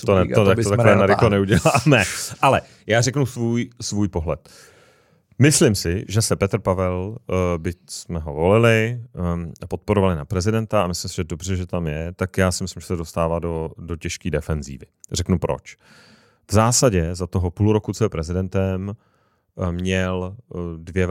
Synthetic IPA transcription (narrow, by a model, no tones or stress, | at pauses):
t̪onɛot̪ak̪ot̪akoɛːnaɾɪxlonɛuɟɛlaːmɛʔalɛ | jaːrɛknusvuːjsvuːjpo̞ɦlɛt̪ | mɪslɪmsɪʒɛsɛpɛt̪r̩pavɛlbɪsmɛɦo̞vo̞lɪlɪ | apot̪̚poɾovalɪnapɾɛzɪdɛnt̪aamɪslɪmsɪʒɛdobr̝ɛʒɛt̪amjɛt̪akjaːsɛmɪslɪmʒɛsɛdo̞st̪aːvaːdodo̞cɛʃkiːdɛfɛnzḭːvɪr̝ɛknupɾo̰t͡ʃ | vzaːsaɟɛzat̪oɦopuluɾokut͡sɛpɾɛzɪdɛnt̪ɛm | mɲɛldvjɛ